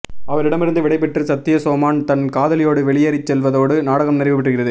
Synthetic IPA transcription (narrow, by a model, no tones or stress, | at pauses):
ɐʋɐɾɪɽɐmɪɾɯnd̪ɯʋɪɽɐɪpɛʈːrɯsɐt̪ːɪjɐsoːmaːnt̪ɐnkaːðɐlɪjoːɽɯʋɛɭɪjɐːɾɪt͡ʃːɛlʋɐðoːɽɯnaːɽɐɣɐmnɪɾɐʋɯʋɪʈːɯɣɪrɐðɯ